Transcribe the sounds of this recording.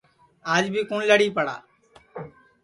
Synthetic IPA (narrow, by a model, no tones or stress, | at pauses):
aːd͡ʒbʱiːkʊɳləɽiːpəɽa̰ː